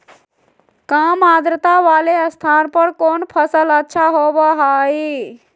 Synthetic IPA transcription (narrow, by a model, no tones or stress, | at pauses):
kaːmaːd̪ɾət̪aʋaːleəst̪ʰaːnpəɾkoːnpʰəsələtːʃʰaɦoːbaɦai